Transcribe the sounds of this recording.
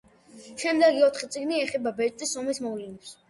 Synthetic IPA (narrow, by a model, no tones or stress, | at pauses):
ʃɛmd̪ɛɡiɔt̪ʰχit̪sʼiɡniɛχɛbabɛɾt̪ʼisɔmismɔvlɛnɛps